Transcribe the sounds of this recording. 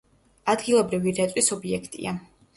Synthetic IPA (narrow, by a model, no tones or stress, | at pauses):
ad̪ɡilˠɔbɾiviɾɛt̪sʼwisɔbiɛkʰt̪ʼḭa